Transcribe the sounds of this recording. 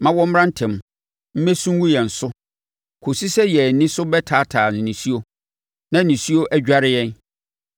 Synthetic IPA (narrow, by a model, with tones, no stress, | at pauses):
mã˦wɔ̃˦m̩˦ɾã˦n̩˦tʰɛ̃˨m˨ | m̩˦mɛ̃˦sũ˦wu˦jɛ˨n̩˨sʊ˦ | kʰo˨si˦sɛ˦jɛ˨nɪ̃˦sʊ˦bɛ˦tʰaː˨˦tʰaː˨nɪ̃˨nĩ˨si˦o˦ | nã˦˨nĩ˨si˦o˦ʔæ˦d͡ʑᶣa˦ɾɪ˦jɛ̃˦n